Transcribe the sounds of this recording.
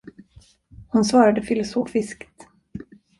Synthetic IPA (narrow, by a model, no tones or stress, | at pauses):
hʊnsvɑːɾad̪əfɪlʊsoːfɪskt̪